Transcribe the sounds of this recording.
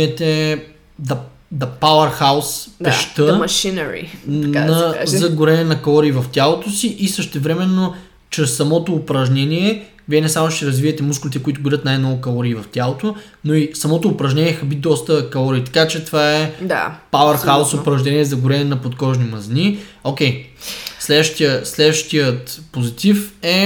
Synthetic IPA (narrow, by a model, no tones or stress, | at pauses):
ɛt̪ɛ | d̪ɐ | d̪ɐpawɐɾxawspd̪ɛʃt̪əmɐʃinɛɾḭanɐzɐɡʊɾɛnɛnɐkɐlˠɔɾiːvɐft̪ʲalˠot̪osiʔisəʃt̪ɛvɾɛmɛnːo | t͡ʃɾɛsːɐmɔt̪oːpɾɐʒnʲɛniɛ | viɛnɛsamoʃt̪ɛɾɐzviɛt̪ɛmuskʊlʲit̪ɛkʊit̪ʊɡʊɾʲət̪najnɔvʊkɐlˠɔɾiːvɐft̪ʲjalˠot̪onoisɐmɔt̪oːpɾɐʒnʲɛniɛxɐbit̪d̪ɔst̪əkɐlˠɔɾiːt̪ɐ̥kat͡ʃɛt̪ovaɛd̪a̰paʊɛɾsxaʊsʊpɾɐʒnɛniɛzɐɡʊɾɛnɛnɐpot̪kɔʒnimɐziniokʲɛjslɛd̪vəʃt̪iəslɛd̪vəʃt̪ijət̪pozit̪ifɛ